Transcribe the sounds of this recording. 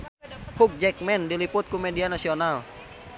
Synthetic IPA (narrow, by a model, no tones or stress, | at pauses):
pʰuk̚d͡ʒɛk̚mɛndiliput̪̚kumedianasional